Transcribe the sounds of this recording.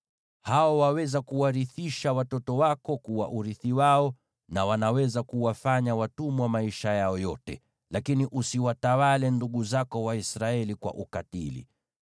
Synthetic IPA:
haɔwawɛzakuwaɾiθiʃawatɔtɔwakɔkuwa̰ʔuɾiθiwaɔ | nawanawɛzakuwafaɲawatumwamaiʃajaɔjɔtɛ | lakiniʔusiwatawalɛnduɠuzakɔwaisɾaɛlikwa̰ʔukatḭlḭ

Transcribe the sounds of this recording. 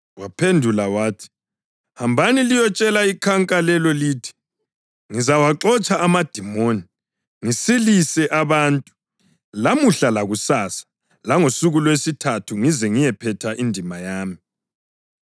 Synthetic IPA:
wapʰendʱulawaːtʰi̥ | hambʱanilijɔt͡ʃʼɛlaikʰaŋkʼalɛlɔliːtʰi̥ | ŋizawaǁɔt͡ʃʼaːmad̥ʱimoːni | ŋisilisɛʔaβaːntʼu | lamuɬalaɣusaːsḁ | laŋosuɣulwesitʰatʰuŋizɛŋijɛpʰɛtʰaʔindʱimajaːmi

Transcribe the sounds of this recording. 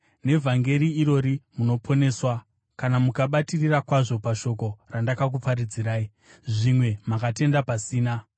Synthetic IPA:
ne̞vʱaŋɡe̞ɾiːɾo̞ɾimuno̞pʰo̞ne̞swa | kanamukaɓatirirakwaʐo̞paʃo̞ko̞randakak̬upaɾid͡ziɾaːi | ʐimwe̞makate̞ndapasiːna

